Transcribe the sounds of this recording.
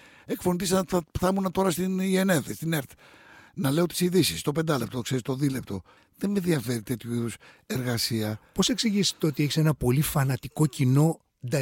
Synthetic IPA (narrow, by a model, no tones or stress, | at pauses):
e̞kfo̞nit̪isɐɐpθɐmunɐt̪o̞ɾɐst̪inieneðest̪ineɾt̪ | nɐle̞ot̪i̥siðisist̪o̞pe̞nd̪ɐle̞p̚t̪ookse̞ɾist̪o̞ðilept̪o̞ | ðemeðiɐfe̞ɾit̪e̞t̪çuuseɾɣɐsiɐpo̞se̞ksiʝisi̥t̪ot̪ieçise̞nɐpo̞lifɐnɐt̪iko̞cino̞ | d̪ɐ